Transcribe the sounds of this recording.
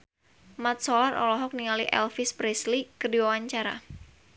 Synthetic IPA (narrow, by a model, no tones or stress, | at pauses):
mat̪̚solarʔɔ̰lɔɦɔk̚niŋaliʔɛ̰lfɪspɾɛslikədiwawaɲt͡ʃaɾa̰